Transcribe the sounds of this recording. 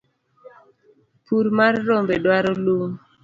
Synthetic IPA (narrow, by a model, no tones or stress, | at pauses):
puɾmarːombedwaɾɔluŋ